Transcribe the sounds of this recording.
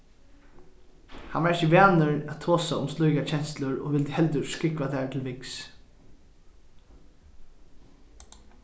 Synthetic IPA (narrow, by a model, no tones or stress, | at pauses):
hanvaɾɪçəʋæːnəɹætt̪ʰoːsaʊ̰mslujkat͡ʃʰɛn̥st̪lʊɹɔ̰ʋɪlt̪hɛlt̪̬ʏɹskɪkvaθɛt̪ʰɪlvɪks